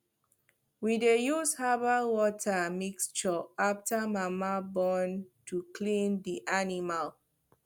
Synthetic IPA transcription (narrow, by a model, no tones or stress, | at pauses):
widejushabawɔtʰamikst͡ʃɔaftamamabɔ̃ntʰukʰlĩndiʔanimal